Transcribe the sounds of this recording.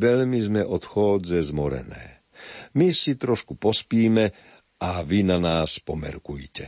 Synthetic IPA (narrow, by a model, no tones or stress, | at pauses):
ʋɛʎmizmɛʔɔt̪xɔːd͡zɛzmɔɾɛ̰nɛ̰ː | misit̪ɾɔʃkupɔspiːmɛ | aʋinanaːspɔmɛ̰ɾkujcɛ